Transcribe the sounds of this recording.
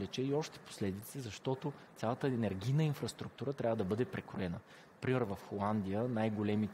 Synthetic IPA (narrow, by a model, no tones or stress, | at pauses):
lɛt͡ʃɛiɔʃt̪ɛ̥po̥slɛd̪it̪sɛzɐʃt̪ɔt̪ot̪sʲalˠət̪əɛnɛɾɡʲijnəinfɾɐst̪ɾuk̚t̪uɾət̪ɾʲavəd̪ɐbɤd̪ɛpɾɛkɾʊɛnə | pɾimɛɾvɐfxolˠand̪ijənajɡolɛmit̪